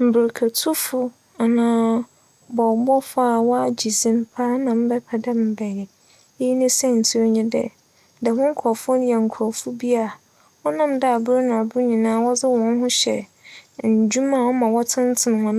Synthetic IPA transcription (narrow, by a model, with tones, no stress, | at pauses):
m̩˨bɪ˨ɾkʰa˨tʰu˦fʊ˦ | a˨nãː˦ | bɔ˨bɔ˦fa˦˨wɔ˦a˨d͡ʑi˨sĩ˦m˦pʰaː˦nã˨m̩˦bɛ˦pʰɛ˨dɛ˦m̩˦bɛ˨jɪ˨˦ | i˦nĩ˦sɛ˦n̩˨tʰi˦ɲĩ˦dɛ̰˦˨ | dɛ˨wʊ̃˦ŋ̩˦kʰɔ˨fʊ̃˦n˦jɛ˨ŋ̩˨kʰʊ˨ɔ˨fʊ˦bi˦a˦˨ | wɔ˦nã˦˨mda˦a˨bʊ˦ɾnã˨a˨bʊ˦ɲĩ˨nãː˦wɔ˦d͡zɪ˦wɔ̃˨˦nɦʊ̃˦ɕɛ̰˨n̩˨d͡ʑu˦mã˦˨ɔ˦mã˨wɔ˦tʰɪ̃˦n˦tʰɪ˨ñ˨hɔ̃˦ñ˨